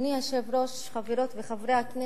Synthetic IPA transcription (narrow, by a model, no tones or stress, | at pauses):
niaʃevɾoʃ | χaviɾot̪veχavɾeakne